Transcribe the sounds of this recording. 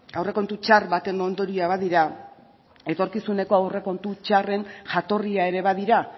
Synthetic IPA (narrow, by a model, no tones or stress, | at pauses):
awre̞ko̞nt̪ut͡ʃarβat̪e̞no̞nd̪o̞ɾiaβaðiɾa | e̞t̪o̞ɾkisune̞ko̞awre̞ko̞nt̪ut͡ʃare̞nʝat̪o̞riae̞ɾe̞βað̞iɾa